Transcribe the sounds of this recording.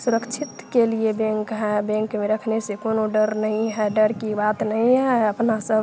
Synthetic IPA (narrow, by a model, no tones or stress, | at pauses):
suɾəkt͡ʃʰɪt̪keliebɛ̃ŋkɦɛbɛ̃ŋkmeɾəkʰnesekonoɖəɾnəɦĩɦɛɖəɽkibat̪nəĩɦɛəpnasəb